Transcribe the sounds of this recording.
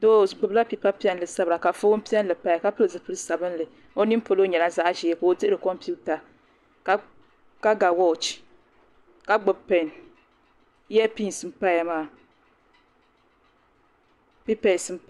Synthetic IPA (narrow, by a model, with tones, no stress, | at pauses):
do˦˨pɨ˨bla˦pi˨pa˦pi˦ɛ˦nlɨ˨sa˦bɾa˨ka˨fo˦m˦pi˦ɛ˦nlɨ˨pa˦˨ka˦pɨ˦lɨ˨zɨ˨pɨ˦lɨ˦sa˨bɨ˦n˦lɨ˨ | o˦ni˦m˦po˨lo˦ɲɛ˨la˦za˦ʔʒi˨ɛ˦ko˨o˨tɨ˦ʔɨ˦ɾɨ˨kɔ˦mpi˦u˦ta˨ | ka˦ | ka˦ɡa˨wɔ˦˨t͡ʃ | ka˦ɡ͡bʊ˨bpɛ˨n˦ | ɛ˦pi˦n˨sɨ˨˦m̩˦pa˦ja˨maː˦˨ | pi˦pɛ˨sɨ˦m˦p